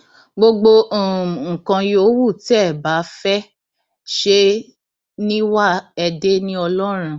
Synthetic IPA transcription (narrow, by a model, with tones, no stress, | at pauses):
ɡ͡bo˧ɡ͡bo˧˨ŋ̩˨kã˧jo˨˦wu˦˨ti˦ɛ˦˨ba˨˦fɛ˦ | ʃe˦ | nĩ˦wa˦ɛ˧de˦nĩ˦ɔ˧lɔ˦ɾ̃ũ˧